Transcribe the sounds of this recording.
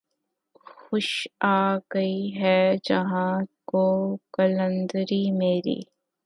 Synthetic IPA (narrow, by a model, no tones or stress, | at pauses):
xʊʃaːɡəiɦɛd͡ʒɐɦãkoːkɐlə̃nd̪ɾimeːɾḭː